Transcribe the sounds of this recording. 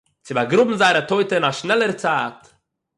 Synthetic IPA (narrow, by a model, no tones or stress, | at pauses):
t͡sɪbaɡɾʊbm̩zaɪɾətoɪtəɪnaʃnɛlˠəɾt͡saːt